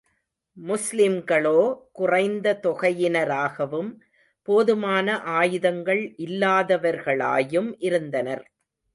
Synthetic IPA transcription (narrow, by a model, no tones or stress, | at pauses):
mʊslɪmɡɐɭoːkʊrɐɪnd̪ɐt̪ɔɣɐjɪnɐɾaːɣɐʋɯm | poːðɯmaːnɐʔaːjɯðɐŋɡɐɭʔɪlːaːðɐʋɐɾɣɐɭa̰ːjɯmʔɪɾɯnd̪ɐnɐɾ